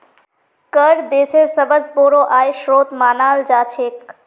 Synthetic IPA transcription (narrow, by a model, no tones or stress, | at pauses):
kəɾd̪esʰeɾsəbəd͡zboɾoʔajʃɾoːt̪maːnaːld͡ʒaːt͡ʃʰek